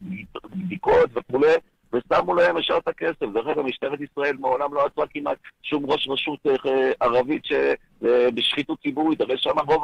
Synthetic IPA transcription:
bd̪iko̞t̪veχule | vesamulahemeʃaʁt̪ake̞sefdeχaɡamiʃtaeʁet̪isʁae̞lmao̞lamlo̞at͡suakimʔa̰t̪ʃumʁo̞ʃʁaʃut̪ʔaʁavit̪ʃe | ebiʃχit̪ut͡sibuʁit̪aʁeʃamaʁo̞v

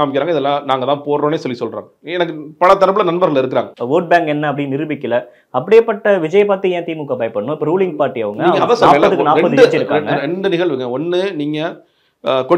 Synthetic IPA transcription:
aːmɪkːɪɾaːŋɡɐɪðɛlːãːnaːŋɡɐt̪ãːpoːɾɾoːneːsɔlːisɔlɾa̰ːŋɡɐɛnɐk̬ːɯpɐɭɐt̪ːɐɾɐp̬ːɯlɐnɐnbɐɾɣɐɭɪɾɯk̬ːɾa̰ːŋɡɐʋoːʈ̚baːŋkɛnːɐɐp̬ːɐɽɪnɪɾɯbɪkːɪlɐ | ɐpːɐɽɪeːpːɐʈːɐʋɪd͡ʒɐjɐpaːɾt̪ːɯɛ̃ːt̪iːmukːɐbɐɪpɐɳːʊ̃ɪpːɐɾuːlɪŋɡpaːɾʈːiɐːʋɯŋɡɐɡɐɐʋɐsɔaːpːɐðɯkɯnaːɾpɐðɪɐt͡ʃːɪɾɯkːaŋɡɐɾɛɳɖɯnɪɣɐɭʋɯŋɡɐɔnːɯniːŋɡɐ | kɔɽ

